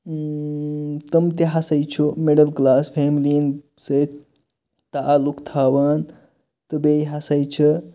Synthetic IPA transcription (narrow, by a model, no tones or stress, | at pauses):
t̪əmt̪eɦasɐjt͡ʃʰomeɽəlklaːspʰemlin | sə | t̪aʔːlukt̪ʰaːwaːn | t̪əbejɦasɐjt͡ʃʰə